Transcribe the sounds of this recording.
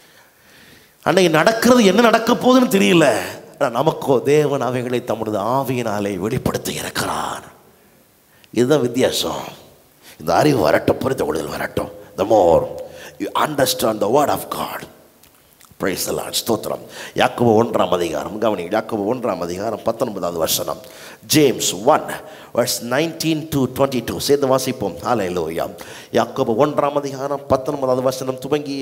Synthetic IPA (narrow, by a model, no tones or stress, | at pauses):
ʔɐ̰nːaːnɐɽɐkːɪɾɐðɯɛnːɐnɐɽɐkːɐpːoːðɯnːɯt̪ɛɾɪjɪlːɐnaːnɐmɐkːoːd̪eːʋɐnɐʋɐɪɣɐɭɐɪt̪ɐmːɯɽɯðɯaːʋɪjɪnaːleːʋɛɭɪpːɐɽɯt̪ːɯɪ̰ɾɯkːɪɾa̰ːn | ɪðɯðãːʋɪt̪ːjaːsɐ̰̃ | ɪnd̪ɐɐɾɪʋɯʋɐ̰ɾɐ̰ʈːʊ̃pʊɾɪnd̪ɐkɔɽɯðɐlʋɐ̰ɾɐ̰ʈːʊ̰̃d̪ɐmoːɾjuʔɐɳɖɐɾsʈãːɳɖd̪ɐʋɐɾɽaːfɡɑ̰ːɖ | pɾeɪsd̪ɐla̰ːɖst̪oːt̪ːɾɐ̰mjʔaːkoːbɐɔɳɖɾa̰ːmɐðiɣa̰ːɾɐmɡɐʋɐnijaːkoːbɐɔɳɖɾa̰ːmɐðiɣaːɾɐmpɐt̪ːɐnbɐðaːɐðɯʋɐɾʂɐnɐ̰m | d͡ʒeːmsʋɐn | ʋʔɐɾsnaɪnʈĩnʈuːʈwɛ̃ɳʈiʈuːseːnd̪ɐʋaːsipːoːmhaːleluːja̰ː | jaːkoːbɐɔɳɖɾaːmɐðiɣaːɾɐmpɐt̪ːɔnbɐðaːðɯʋɐɾsɐnɐmt̪ʊbɐŋɡi